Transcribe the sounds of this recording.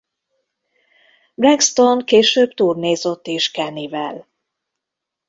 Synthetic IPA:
brɛkst̪o̞nkeːʃøːbt̪uːrneːzot̪ːeːʃkɛnivɛl

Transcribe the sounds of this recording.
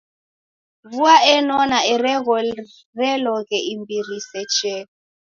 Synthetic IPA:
vuaʔɛnɔnaɛrɛɣɔ | rɛlɔɣɛimbirisɛt͡ʃɛ

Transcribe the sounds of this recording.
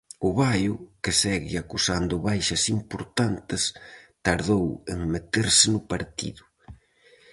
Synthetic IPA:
ʊβajʊkɪsɛɣɪ̰akusand̪ʊβajʃɐsimpoɾt̪ant̪ɪst̪aɾðoweŋmet̪eɾsɪnʊpaɾt̪ḭðʊ

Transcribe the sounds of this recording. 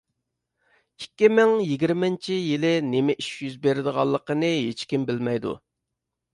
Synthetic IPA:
ikʲːimɪŋjiɡʲiɾmɪnt͡ʃʰijilɪnemɪʔiʃjyzbeɾɪd̪əʁɑlˠːəqənɨɦet͡ʃkʲimbɪlmɛjd̪ṵ

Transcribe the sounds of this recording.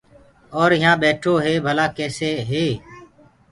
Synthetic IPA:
oːɾɪɦãːɓeːʈʰoːɦeːbʱəlaːkeːseːɦeː

